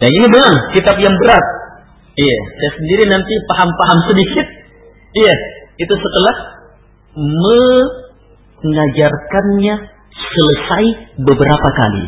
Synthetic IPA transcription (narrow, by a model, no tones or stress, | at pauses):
daninibəŋaŋkit̪ap̚jaŋbəɾat̪̚ | ijasasəndiɾinant̪ipaɦampaɦamsədikɪt̪̚ | ijait̪usət̪əlah | mə | ŋad͡ʒarkanɲa | sələsaibəbəɾapaka̰lḭ